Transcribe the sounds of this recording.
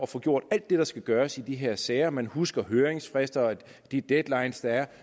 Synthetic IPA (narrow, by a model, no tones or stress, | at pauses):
ɒfɔ̽ːɡ̥jo̝ɐ̰d̥æl̰d̥ːe̝ɾ̥ɑ̈sɡ̥æɡ̥ɶːɐsid̥iɦe̝ɐ̰sɛɪɐmænhusɡ̥ɐɦøːeŋsfʁesd̥ɐɒ | d̥id̥ed̥lɑ̈ɪnsd̥ɑ̈æɐ